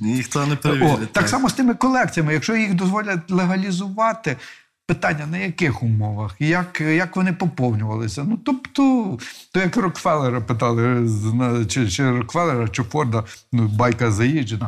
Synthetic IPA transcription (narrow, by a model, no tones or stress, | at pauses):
ixt̪ɐnɛpɾeʋɔɪɑksɑmɔst̪ɪmɪkɔlˠɛk̚t͡sʲijɐmɪjɐkʃt͡ʃɔjiɣd̪ɔzʋɔlʲɐtʲlˠeɦɐlʲizʊʋɑt̪ɪ | pɪt̪ɑnʲːɐnɐjɐkɪxʊmɔʋɐxjɐkjɐkʋɔnɪpɔpɔwnʲʊʋɐlˠɪsʲɐnut̪ɔpt̪ɔt̪ɔjɐkrɔkʋɛlˠeɾɐpɪt̪ɑlˠɪnt͡ʃɪt͡ʃɪɾɔkʋɛlˠeɾɐʃt͡ʃɔfɔrd̪ɐnʊbɑjkɐzɐjid͡ʒenɐ